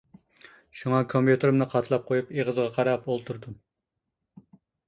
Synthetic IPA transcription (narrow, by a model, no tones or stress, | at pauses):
ʃuŋɑkʰompjut̪ʰɨɾɨmnɨqʰɑt̪ʰɨlˠɑp̚qʰojupeʁəzʁɑqʰɑɾɑpolˠt̪ʰuɾd̪u